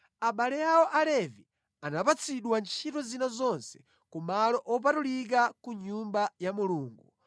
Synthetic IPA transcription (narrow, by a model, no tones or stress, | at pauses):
aɓalɛjaɔʔalɛvi | anapat͡sʰiɗwant͡ʃʰitɔzinazɔnsɛ̥ | kumalɔʔɔpatulik̬akuɲumbajamuluːŋɡu